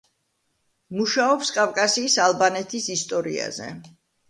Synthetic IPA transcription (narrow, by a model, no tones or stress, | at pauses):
muʃaɔpskʼafkʼasiːsalˠbanɛt̪ʰisist̪ʼɔɾḭa̰zɛ̰